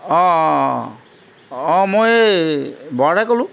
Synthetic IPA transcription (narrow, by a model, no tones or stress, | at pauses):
ɔ̃ | ɔ̃moj | bɔɽajkɔlũ